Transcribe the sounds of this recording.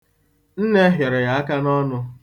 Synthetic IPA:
n̩˦ne˦ɦje˨ɾɔ˨ja˨a˦ka˦nɔ˦nʊ˦

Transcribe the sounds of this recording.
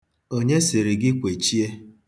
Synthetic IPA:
o˦ɲe˦sɪ˨ɾɪ˨ɡɪ˦kʷe˨t͡ʃi˦e˦

